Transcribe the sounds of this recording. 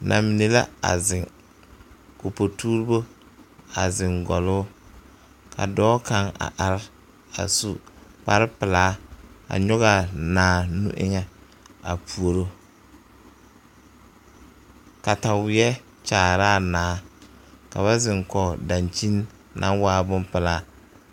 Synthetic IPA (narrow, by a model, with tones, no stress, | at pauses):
nʔa̰˨mi˨ne˨la̰˦a̰˨zɪ˨ŋ | ko˨po˨tuː˦ɾbo˦ | a˨zɪ˨ŋɡɔ˨lʊː˦ | kʰa̰˨dɔː˦ka˦ŋa̰˨ʔa˨ɾɪ˦ | a̰˨su˦pa˦ɾɪ˦pɪ˨laː˨˦a̰˨ɲɔ˦ɣa˨naː˨˦nṵ˦ʔɪ̰˦ŋɛ˨ | a̰˨pu˨o˨ɾo˦ | ka˨ta˨wɪ˨ɛ˦ | t͡ʃaː˨ɾaː˦˨naː˨˦ | ka̰˨βa˦zɪ˨ŋkɔ˨da˨nt͡ʃi˦nː | ʔa̰˦waː˦bʊ˦mpɪ˨laː˦